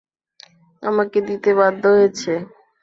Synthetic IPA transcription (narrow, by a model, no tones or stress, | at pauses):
a̰maked̪it̪eβad̪ʱːoɦoet͡ɕʰe